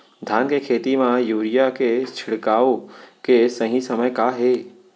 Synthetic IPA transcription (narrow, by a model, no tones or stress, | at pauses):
d̪ʱjaːnkekʰeːt̪imãjuːɾijaket͡ʃʰɪɽkaːõkesəɦĩsəməjkaːɦe